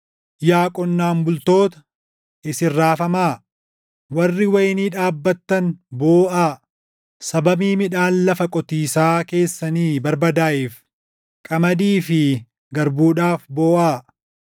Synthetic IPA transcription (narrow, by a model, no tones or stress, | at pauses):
jaːkʼɔnːaːnbʊlt̪o̞ːt̪ɐ̥ | ʔɪsɪrːaːfɐmaː | wɐrːɪwɐjniːᶑaːbːɐt̪ːɐnboːʔaː | sɐbɐbiːmɪᶑaːnlɐfɐkʼɔt̪iːsaːke̞ːsːɐniːbɐɾbɐd̪aːʔɪf | kʼɐmɐd̪iːfɪ | ɡɐɾbuːᶑaːfbo̞ːʔaː